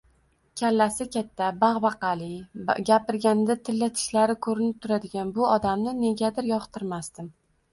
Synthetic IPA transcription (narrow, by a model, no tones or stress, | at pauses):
kʲʰalːasɪkʲat̪ʰːabaʁbɑqɑlɪɡʲapɪɾɡʲand̪at̪ʰɪlːat̪ʰɪ̥ʃlaɾɪkʰɵɾɪnɪp̚t̪ʰʊɾad̪ɪɡʲanbʊɒd̪amnɪne̞ɡʲad̪ɪɾjɒχt̪ʰɪɾmast̪ɪm